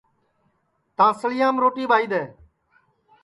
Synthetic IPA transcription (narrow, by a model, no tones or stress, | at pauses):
t̪ãːsəlɪjãːmɾoːʈiːbaːiːd̪eː